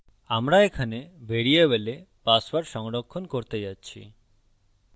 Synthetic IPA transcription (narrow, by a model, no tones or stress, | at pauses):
amɾaekʰanebʱeɽieβelepasbaɾʃɔŋɽɔkʰːɔnkoɾt̪ed͡ʒat͡ɕʰḭ